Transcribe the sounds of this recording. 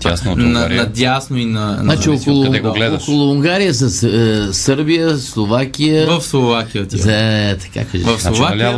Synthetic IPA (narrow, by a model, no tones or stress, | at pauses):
asnonɐanɐd̪ʲasnoinɐnnat͡ʃiokolˠʊɛɡoɡlɛd̪okolˠʊuŋɡaɾijəs̬ɐssəɾbijəslˠovakijəvɐfslˠovakʲijət̪ʲt̪ɐ̥ka̰kaʒɛɐfsˠovakʲa